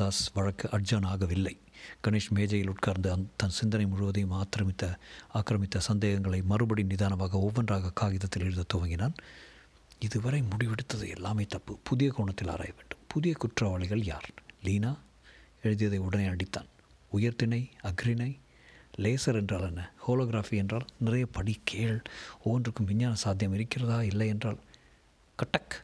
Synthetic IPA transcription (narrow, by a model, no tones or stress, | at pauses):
aːsʋɐɻɐkːɯʔɐɖ̚d͡ʒɐːnaːɣɐʋɪlːɐɪ | ɡ̥ɐneːʂmeːd͡ʒɐjɪlʊʈkaːɾnd̪ɯɐnt̪ɐnsɪnd̪ɐnɐɪmʊɻʊʋɐðɐjmaːt̪ːɪɾɐmɪt̪ːɐaːkɾɐmɪt̪ːɐsɐnd̪eːɣɐŋɡɐɭɐɪmɐrɯbɐɽinɪðaːnɐmaːɣɐɔʋːɐndraːɣɐkaːɣɪðɐt̪ːɪlɛɻɯnðɐt̪ɔʋɐŋɡɪnaːn | ɪðɯʋɐɾɐɪmʊɽɪʋɛɽɯt̪ːɐðɯ̰ɛ̰lːaːmeːt̪ɐpːɯpʊðɪjɐkoːɳɐt̪ːɪla̰ːɾa̰ːjɐʋeːɳɖɯmpʊðɪjɐkʊʈrɐʋaːɭɪɣɐɭja̰ːɾliːnaː | ɛɻɯðɪjɐðɐɪʊɽɐneɪɐɽɪt̪ːa̰ːn | ʊjɐɾt̪ɪnɐɪɐɡɾɪnɐɪ | leːsɐɾɛndraːlɛnːɐhoːloːɣɪɾaːfiɛndraːlnɪrɐjɐpɐɽikʰeːɭɔʋːɐndrɯkːɯmʋɪɲːaːnɐsaːd̪ʱjɐmɪɾɯkːɪrɐðaːɐɪlːɐɛndraːl | kɐʈːɐk